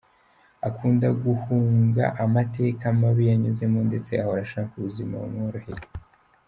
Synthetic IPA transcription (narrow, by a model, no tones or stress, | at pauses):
akʰuːndaɡuhuːŋɡa̰ʔamate̞ːkamaβijaɲuze̞monde̞t͡se̞ahoɾaʃakakuβuzima̰o̰noɾaheɾe